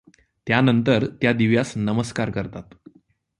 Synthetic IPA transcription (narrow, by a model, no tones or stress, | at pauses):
t̪janənt̪əɾt̪jad̪iʋjasnəməskaɾkəɾt̪at̪